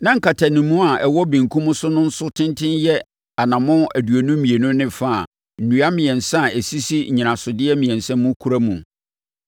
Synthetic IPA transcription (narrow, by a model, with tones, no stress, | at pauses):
nã˦ŋ̩˦kʰa˨tʰa˨nĩ˨mːũ˦a˨ʔɛ˨wɔ˦bĩ˨ŋ˨kʰũ˦mʊ̃˦sʊ˦nʊ̃˦n̩˦sʊ˦tʰɪ̃˦ntʰɪ̃˦njɛ˦ | a˨nã˨mʊ̃˦æ˨du˨æ˨nũ˦mĩ˨e˨nũ˦nɪ̃˦fa˦˨a̰˨ | n̩˨nũ˨a˦mɪ̃˨ɛ̃˨nsã˦˨ɛ˨si˦si˦˨ɲɪ̃˨nã˨sʊ˨dɪ˦ɛ˦mĩ˨ɛ̃˨nsɛ̃˦mːʊ̃˦kʰu˦ɾa˦mũ˨